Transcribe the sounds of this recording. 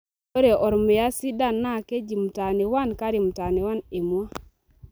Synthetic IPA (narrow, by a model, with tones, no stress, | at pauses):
o˦ɾe˨ʔɔ˨ɾme˨ja˦si˦da˦nːa˦˨ke˦d͡ʒi˨m˨ta˨ne˨wa˦nka˦ɾi˨m˨ta˨ne˨wa˦ne˨mwa˦